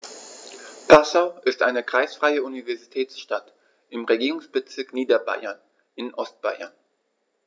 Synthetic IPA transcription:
pʰasaʊʔɪstʔaɪnəkʁ̥aɪsfʁ̥aɪəunivɛɐzitʰɛːt͡sʃtat | ʔɪmʁeɡiːʁʊŋsb̥ət͡sɪɐkniːdɐba̰ɪɐn | ʔɪnʔɔst̚b̥a̰ɪɐ̰n

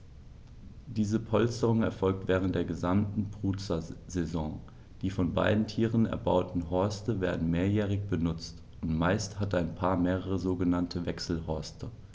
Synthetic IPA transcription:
d̥iːzəpʰɔlstəʁʊŋɛɐfɔlk̚tv̥ɛːʁ̞əntd̥eːɐɡəzamtn̩bʁ̥uːt͡sɐzɛzɔ̃ŋ | d̥iːfɔnba̰ɪdn̩tʰiːʁənɛ̰ɐba̰ʊtn̩ɦɔɐstəveːɐdn̩meːɐjɛːʁ̞ɪçb̥ənʊt͡st | ʔʊntmaɪsthataɪnpʰaːɐmeːʁəʁəzoːɡənantʰəvɛksl̩hɔɐstə

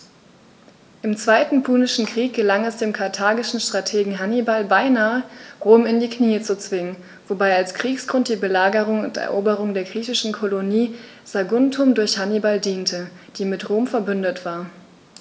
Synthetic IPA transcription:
ʔɪmt͡sv̥aɪtn̩pʰuːnɪʃn̩kʁ̥iːk̚ɡ̥əlaŋɛsd̥eːmkʰaɐtʰaːɡɪʃn̩ʃtʁ̥atʰeːɡŋ̩ɦanibalbaɪnaːəʁoːmɪndiːkniːət͡sut͡sv̥ɪŋən | vobaɪalskʁ̥iːksɡ̥ʁʊnt̚d̥iːbəlaːɡəʁ̞ʊŋʊ̰ntɛ̰ɐʔoːbəʁʊŋdeːɐɡʁiːçɪʃn̩kʰoloniː | z̥aɡʊntʰʊmdʊɐçhanibaldiːntʰəd̥iːmɪtʁoːmfɛɐbʏndətv̥aːɐ

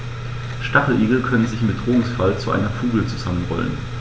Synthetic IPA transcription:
ʃtaχl̩ʔeːɡl̩kʰœnənzɪçmɪət̚d̥ʁoːʊŋsfalt͡suʔa̰ɪnɐfuːɡl̩t͡suz̥amənʁɔ̰lə̰n

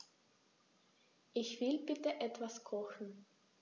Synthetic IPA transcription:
ʔɪçv̥ɪlbɪtəʔɛtv̥askʰɔxn̩

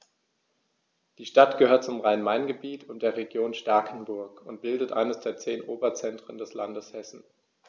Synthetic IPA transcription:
d̥iːʃtatɡ̥əhøːɐt̚t͡sʊmʁaɪnmaɪnɡəbiːtʰʊntd̥eːɐʁeɡjoːnʃtaɐkʰn̩bʊɐkʊnt̚b̥ɪldətʔa̰ɪnəsd̥eːɐt͡seːnʔoːbɐt͡sɛntʁ̥əndɛslandəshɛsn̩

